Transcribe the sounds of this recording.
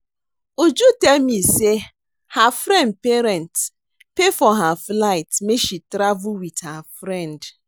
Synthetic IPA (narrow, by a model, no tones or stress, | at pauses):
ud͡ʒutemise | hafɾɛ̃ndpeɾɛnt | pefɔɦaflaɪtmeʃitɾavuwidhafɾɛ̃nd